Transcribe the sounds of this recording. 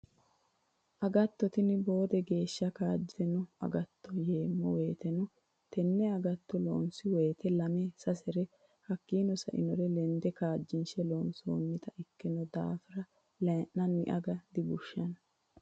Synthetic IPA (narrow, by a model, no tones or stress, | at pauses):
ʔɐɡɐt̪ːɔt̪ɪnɪbo̞ːd̪ɛɡe̞ːʃːɐkaːd͡ʒːɪd̪ɛnʊɐ̰ɡɐt̪ːɔje̞ːmːɔweːt̪ɛnʊ | t̪ɛnːɛɐɡɐt̪ːɔlo̰ːnsɪwe̞ːt̪ɛlɐmesɐsɛɾɛ | hɐkːiːnɔsɐ̰ʔɪ̰nɔɾɛlɛnd̪ɛkaːd͡ʒːɪnʃɛloːnso̰ːmːɪt̪ɐʔɪkːɪnɔd̪a̰ːfɪɾɐ | lɛnːɐnːɪ̰ʔɐ̰ɡɐd̪ɪbʊʃːɐn